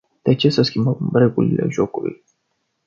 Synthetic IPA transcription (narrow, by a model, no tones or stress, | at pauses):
d̪̥et͡ʃe̞səskʲimbəmre̞ɡulḭle̞̰ʒokulṵj